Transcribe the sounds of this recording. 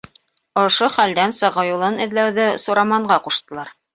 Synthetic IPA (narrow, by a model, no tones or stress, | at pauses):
ŏʃoχæld̪ænsɤ̆ʁɤjulˠɤnɘ̆ðlæwðɘsŏɾɑmɑɴɢɑquʃt̪ɤ̆lˠɑɾ